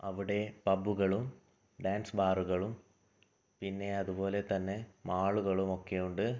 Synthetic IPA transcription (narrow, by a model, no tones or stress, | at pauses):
ɐʋiɽe̞pɐbːuɣɐɭum | ɖaːnsbaːruɣɐɭum | pinːe̞ɐðubo̞ːle̞t̪ɐnːe̞maːɭuɣɐɭumo̞kːe̞juɳɖɨ